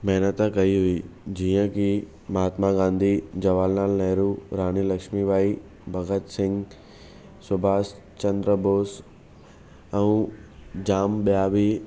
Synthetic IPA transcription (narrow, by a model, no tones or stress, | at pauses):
mɛɦnət̪akɐiɦuiːd͡ʑiːə̃ki | mɐɦaːt̪maɡãːnd̪ʱid͡ʑɐʋaːlnaːlnɐɦɾuɾaːñilɐkʃmiʋaːi | bʱɐɡət̪sɪ̃ŋɡ | sʊbʱaːs | t͡ɕɐ̃nd̪ɾəboːs | ɛ̃ũd͡ʑaːmbijaːbi